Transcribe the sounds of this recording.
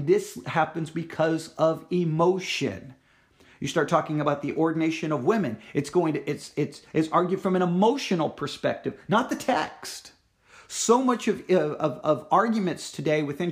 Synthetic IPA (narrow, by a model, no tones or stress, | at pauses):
ðɪshæpɨ̃n̩zbɨkʰʌzʌvɪmoʊʃɨ̰̃n | jɨstɑɹtʰɔkɪ̃ŋɨbaʊt̪̚ðiʔɔɹdⁿn̩eɪʃɨ̃nʌvwɪ̃mɨ̰̃nɨtsɡ̥oʊɪ̃ŋtɨʔɪtsɪtsʔɨtsɑɹɡjʉd̥fɹʌ̃mɨ̃ñəmoʊʃɨ̃nl̩ˠpʰə˞spɛk̚tɨv̥nət̪̚ðɨtʰɛkst | soʊmʌt͡ʃʌvʌʌvʌvɑɹɡjmɨ̃ntstʰɨdeɪwɨθɪ̃n